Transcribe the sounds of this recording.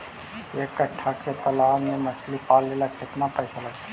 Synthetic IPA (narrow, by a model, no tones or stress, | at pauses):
ekːəʈʰːaket̪əlaːmeməslipaːlːelaket̪napəjsaləɡ